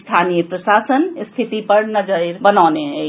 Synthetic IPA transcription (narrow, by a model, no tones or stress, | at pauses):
st̪ʰanijəpɾəsasənst̪ʰit̪ipəɾnəd͡ʒəjɾbənaːneɦə